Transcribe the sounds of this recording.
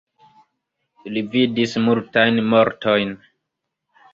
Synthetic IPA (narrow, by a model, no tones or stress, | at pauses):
lividismultajnmo̞ɾtʰo̞jn